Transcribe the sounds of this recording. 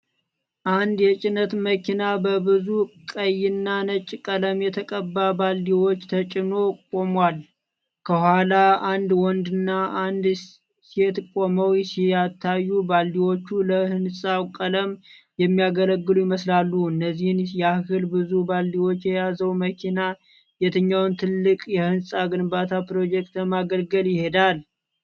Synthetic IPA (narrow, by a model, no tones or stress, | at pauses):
ʔand̪jɛt͡ʃʼɪnət̪məkʰinabəbɨzukʼəjːɪnːanət͡ʃʼːkʼələmjɛt̪ʰəkʼəbːabald̪iwot͡ʃːt̪ʰət͡ʃʼɪno̞kʼo̞mwal | kʰəhwalaand̪wɔnd̪ɨnːaand̪ | set̪kʼoməwjsiat̪ʰːajːubald̪iwo̞t͡ʃːuləhɨnsʼawkʼələm | jɛmːijaɡələɡːɨlujɪməslalːuɨnːəzːihɨnjɛahkɨlbɨzubald̪iwo̞t͡ʃːjɛjazəwməkʰina | jɛt̪ʰɨɲːawnt̪ʰɨlːɨkʼjɛhɨnsʼaɡɨnbat̪ʰapɾo̞d͡ʒɛk̚t̪əmaɡəlɡəljɪhe̞d̪al